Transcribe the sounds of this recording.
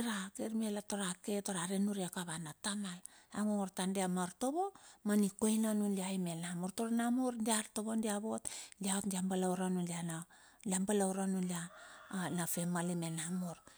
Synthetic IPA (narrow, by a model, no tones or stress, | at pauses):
ɾakeɾmielato̞ɾaketo̞ɾaɾenuɾekaβanatamala̰ŋoŋoɾtandiamaɾto̞βo̞manikojnanunliajmenamoɾtoɾanamoɾndiaɾto̞βondiaβo̞tliaotndiambalawɾanunliana | liambalawɾanunlia | nafe̞malimenamoɾ